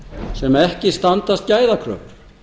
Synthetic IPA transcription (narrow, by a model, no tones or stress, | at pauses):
sɛmaɛhcɪst̪ant̪ast̪̚caːjðakʰɾœ̰ːp